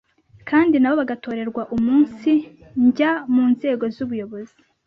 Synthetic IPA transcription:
kʰaːndinaβo̞βaɡato̞ːɾe̞ɾɡwaʔumuːnsi | ɲɟamuːnze̞ːɡo̞zuβujo̞βo̞zi

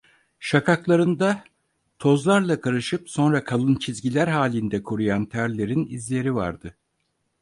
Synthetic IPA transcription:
ʃakʰaklˠaɾɯnd̪a | t̪ʰo̞zlˠaɾlˠakʰaɾɯʃɯpso̞nɾakʰalˠɯnt͡ʃʰizɟilʲæɾɦaːlʲind̪ɛkʰoɾujant̪ʰæɾlʲe̞ɾinizlʲe̞ɾiva̰ɾd̪̥ɯ

